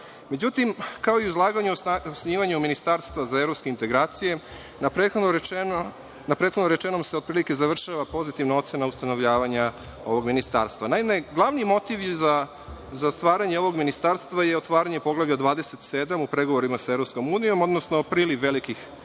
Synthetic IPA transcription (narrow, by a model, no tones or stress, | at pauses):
med͡ʑut̪imkao̞iuzlˠaːɡaɲuosniːʋaɲuminist̪aɾst̪ʋazaeɾopskeint̪e̞ɡɾaːt̪sije̞ | exo | napɾet̪xod̪noɾet͡ʃenomseo̞d̪pɾilike̞zaʋr̩ʃaʋapo̞zit̪iʋnao̞t̪se̞naust̪ano̞ʋʎaːʋaɲa | o̞ʋo̞ɡminist̪a̰ːɾst̪ʋanaimeɡlˠaʋnijmo̞t̪iʋjza | zast̪ʋaːɾaɲe̞o̞ʋoɡminist̪aːɾst̪ʋajeot̪ʋaːɾaɲepo̞ɡlˠaʋʎad̪ʋaːd̪e̞set̪sed̪amupɾe̞ɡoʋo̞ɾimasaevɾo̞psko̞muːnijo̞mo̞d̪nosnopɾiːliʋːelikix